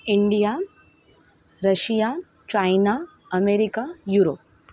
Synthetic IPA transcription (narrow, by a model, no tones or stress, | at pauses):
iɳɖija | ɾɐʃijaː | t͡ʃajna | ɐmeːɾikajuɾoːp